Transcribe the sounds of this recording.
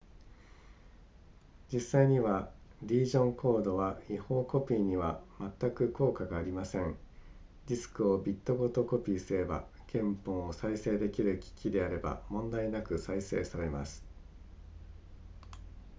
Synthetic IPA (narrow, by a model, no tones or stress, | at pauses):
d͡ʑisːaiɲ̟iβaɾʲiːʑõ̞ŋkʰo̞ːd̪o̞βaiho̞ːko̞pʲiːɲ̟iβamat̪ːakɯ̟ko̞ːkaɡaːɾʲimasẽ̞ŋ | d͡ʑʲisɨ̥kɯ̟o̞bʲit̪ːo̞ɡo̞t̪o̞ko̞pʲiːsɨɾe̞ba̰ | kẽ̞mpõ̞ɰ̃osaise̞ːd̪e̞kʲiɾɯ̟kʲi̥kʲid̪e̞aɾe̞ba̰mõ̞nd̪ainakɯ̟saise̞̰ːsaɾe̞ma̰sɨ̥